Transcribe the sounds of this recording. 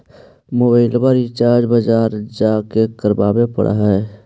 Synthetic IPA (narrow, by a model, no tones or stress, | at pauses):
mobaɪlbəɾit͡ʃaːɾd͡ʒbəd͡ʒaːɾd͡ʒaːkekəɾbaːbepə̰ɽʔa̰ɦɛː